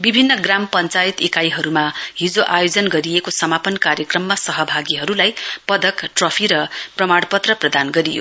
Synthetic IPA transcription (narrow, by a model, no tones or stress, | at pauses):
bibʱinːʌɡrampʌnt͡sajit̪ekajɦʌɾumaɦid͡zoʔajod͡zʌnɡʌɾijekosʌmapʌnkaɾjʌkrʌmːasʌɦʌbʱaɡiɦʌɾulajpʌd̪ʌkʈrʌpʰiɾʌprʌmaɽpʌt̪rʌprʌd̪anɡʌɾijo̰